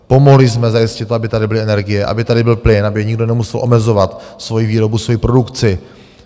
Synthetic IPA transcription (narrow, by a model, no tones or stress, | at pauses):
po̞mo̞ɦlɪzmɛzajɪscɪt̪ːoabɪt̪adɪbɪlɪʔɛnɛɾɡɪjɛʔa̰bɪt̪adɪbɪlplɪnʔabɪjɛɲɪɡdo̞nɛmusɛlʔo̞mɛzo̞vat̪svo̞jiviːɾo̞busvo̞jipɾo̞dukt͡sɪ